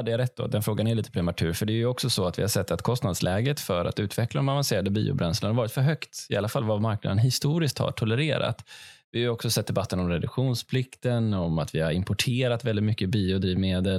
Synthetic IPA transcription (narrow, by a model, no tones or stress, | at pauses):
had̪ːəjaɾɛt̪̚d̪o̰d̪ɛnfɾoːɡanæɾɭiːt̪əpʰɾɛmat̪ʰʉ̟ːɾfœɖɛːɾjɵɔksɔsɔat̪vɪ̰hasɛt̪ːat̪kʰɔst̪nad̪slʔɛːɡət̪fœɾa̰t̪ʉ̟ːt̪vɛklad̪ɔmavanseːɾad̪əbḭːʊ̰bɾɛnslənaɾvɑːɾɪt̪fœɾɦœkt̪ɪʔalːafalvamaɾk̚na̰d̪ənɦɪst̪uːɾɪsk̚t̪ha̰ʈʰɔləɾeːɾa̰t̪vɪhaɾɔksɔsɛt̪̚d̪ɛbat̪ʰːənɔmɾɛd̪ɵɧuːnspʰlɪkt̪ənɔmat̪vɪhaɾɪmpɔʈʰeːɾat̪vɛlɪt̪mʏkːəbiːʊd̪ɾiːvmeːd̪əl